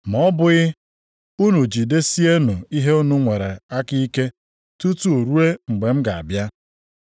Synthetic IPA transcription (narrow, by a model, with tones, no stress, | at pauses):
mɔ˦bʊ˦ɣɪ˦ | u˦nu˨d͡ʒi˨de˦si˦e˦nu˨i˦ɦe˦u˦nu˦ŋʷe˨ɾe˨a˦ki˦i˦ke˦ | tu˦tu˦o˨ɾu˦e˦ŋ͡m̩˨ɡ͡be˨m̩˦ɡa˨a̰˨bja˦